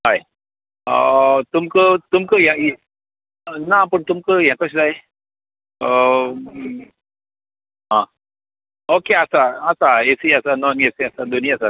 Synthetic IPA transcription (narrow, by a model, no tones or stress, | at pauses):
ɦaj | ət̪umkət̪umkəɦjã | napəɳt̪umkəɦjãkəɕd͡zaj | ə | ɦã | okeasaːsaesiasanɔnesiasad̪oniasa